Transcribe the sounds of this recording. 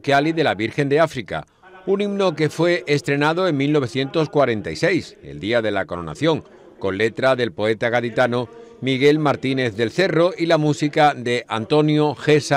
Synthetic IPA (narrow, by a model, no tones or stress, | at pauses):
kjaliðe̞laβiɾxe̞nd̪eafɾika̰ | unimno̞ke̞fwe̞ʔːst̪ɾe̞nað̞o̞e̞ŋmilnoe̞θje̞nt̪o̞skwaɾe̞nt̪ajse̞jse̞̰ld̪iaðe̞lako̞ɾona̰θjo̞ŋ | ko̞nle̞t̪ɾaðe̞lpo̞e̞t̪aɣaðit̪ano | miɣ̞e̞lmaɾt̪ine̞θðe̞lθe̞ro̞ilamusikaðe̞a̰nt̪o̞njoxe̞sa